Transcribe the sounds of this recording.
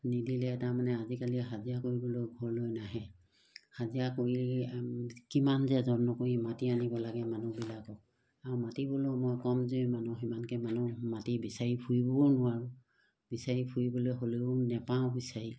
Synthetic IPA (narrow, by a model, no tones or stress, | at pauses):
nidilɛtamanɛazikaliɦazijakoɹibɔlojɡʱɔɹlojnaɦɛ | hazijakoɹi | kimanzɛzɔnːɔkoɹimatianibɔlaɡɛmanubilakɔk̚ | aɹumatibɔlomojkɔmzojmanuximankɛmanumatibisaɹipʰujbɔnʊwaɹu | bisaɹipʰujbɔlejɦoleʊnɛpãʊ̃bisaɹi